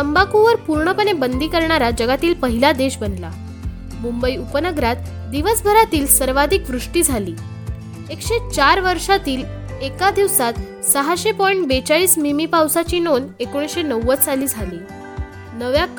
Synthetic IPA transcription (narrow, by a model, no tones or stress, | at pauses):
t̪əmbakuʋəɾpuɾɳəpəɳebənd̪ʱiːkəɾɳaɾad͡ʑəɡat̪iːlpəɦilad̪eɕbənla̰ | mumbəjupənəɡɾat̪ | d̪iʋəsbʱəɾat̪iːlsəɾʋad̪ʱikʋɾuʂʈiːd͡zʱaliː | ekɕet͡ɕaɾʋəɾʂat̪iːl | ekad̪iʋsat̪ | səɦaɕepɔjɳʈbet͡saɭiːsmimipawsat͡ɕiːnonekoɽ̃isɕenəwːət͡st͡saliːd͡zʱaliː | nəʋja